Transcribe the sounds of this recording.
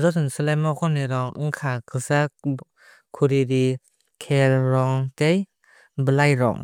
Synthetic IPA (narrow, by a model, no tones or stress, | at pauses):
zɔsɯnsɯlamɔkʰɔniɾɔŋɯŋkʰakʰɯsak | kʰuɾiɾi | kʰelɾɔŋtej | bɯlajɾɔ̰ŋ